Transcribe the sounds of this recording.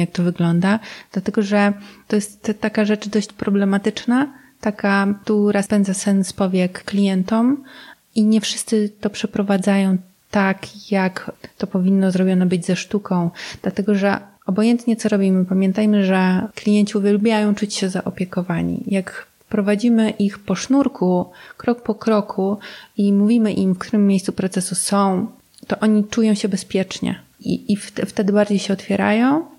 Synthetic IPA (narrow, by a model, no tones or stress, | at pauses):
jak̚t̪ɔvɘɡlɔnd̪ad̪̥lat̪ɛɡɔʐɛt̪ːɔjɛst̪ːakaʐɛt͡ʂd̪ɔɕt͡ɕpɾɔblɛmat̪ɘt͡ʂna | t̪akat̪uɾaspɛnd̪zasɛnspɔvʲjɛkːlʲijɛnt̪ɔm | iɲɛfʂɘ̥st̪sɘt̪ɔpʂɛpɾɔvad̪zajɔ̃w̃ | t̪akjakt̪ɔpɔvʲinːɔzɾɔbʲjɔnabɘd͡ʑzɛʂt̪ukɔ̃w̃d̪̥lat̪ɛɡɔʐɛ | ɔbɔjɛnt̪ɲɛt̪sɔɾɔbʲimɘpamʲjɛnt̪ajmɘʐɛklʲijɛɲt͡ɕiuvʲjɛlbʲjajɔ̃w̃t͡ʂut͡ɕɕɛzaʔɔpʲjɛkɔvaɲḭjak | pɾɔvad͡ʑimɘʔixpɔʂnuɾkukɾɔkpɔkɾɔkʰuimuvʲimɘʔimfkt̪uɾɘmːjejssupɾɔt̪sɛsusɔ̃w̃ | t̪ɔʔɔɲit͡ʂujɔ̃w̃ɕɛbɛspʲjɛt͡ʂɲɛ̰ḭiftft̪ɛd̪ɘbaɾd͡ʑejɕɛɔt̪fʲjɛɾa̰jɔ̃w̃